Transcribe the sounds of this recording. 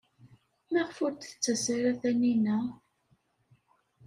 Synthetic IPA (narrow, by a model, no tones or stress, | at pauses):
mæʁfʊɾt̪θə̥t͡sːæsaɾæθæninæ